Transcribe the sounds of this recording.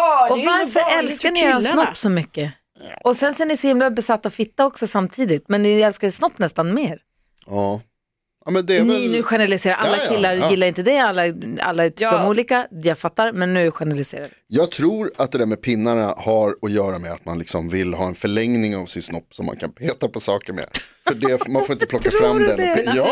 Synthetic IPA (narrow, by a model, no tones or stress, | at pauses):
ɔvaɾfəɾɛlskkaɳɪeːɾansnɔppːsɔmʏkːə | ɔsɛnsɔɛnɪsɔhɪmlabɛsat̪ːaɔfɪt̪ːaɔksɔsamt̪ʰiːd̪ɪt̪mɛnːɪɛlskaɛsnɔpːnɛst̪anmeːɾ | ɑ | amɛnd̪ɛnɪnʉ̟ːɧɛnəɾalɪseːɾaɾʔalːakʰɪlːaɾjɪlːaɾɪnt̪əd̪ɛalːaa̰lːaɛt̪ɔmuːliːkajaːɡfat̪ːaɾmɛnːʉ̟æɪɧɛnəɾalɪsḛːɾad̪jɑːɡ̚t̪ʰɾuːɾat̪̚d̪ɛd̪æɾmɛpʰɪnːaɳahaɾɔjœːɾamɛat̪manlɪksɔmvɪlɦɑːɛnfœɭɛŋnɪŋavsɪt̪snɔpːsɔ̰mːa̰nkʰa̰npʰeːt̪apʰɔsɑːkəɾmɛ̰fœɖɛmanfoɾɪnt̪əpʰlɔk̪ːafɾamdd̪ɛ